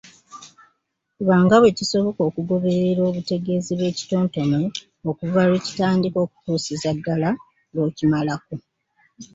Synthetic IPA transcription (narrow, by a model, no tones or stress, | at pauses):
kuβaːŋɡaβwe̞ciso̞βo̞ko̞ːkuɡo̞βe̞ɾeɾo̞ːβute̞ɡe̞ːziβwe̞ːci̥to̞ːnto̞ne | okuvalwe̞ːci̥taːndiko̞ːku̥tuːsizaɡːala | lo̞ːcimalako